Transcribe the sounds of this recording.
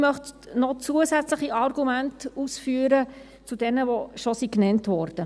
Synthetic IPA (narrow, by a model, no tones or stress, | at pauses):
mœχt | nɔt͡suəsæt͡sləχiʔɑrɡumæntusfyːəɾə | t͡sud̥ɛnəvoʃɔsiknɛntʋɔːɾd̥ə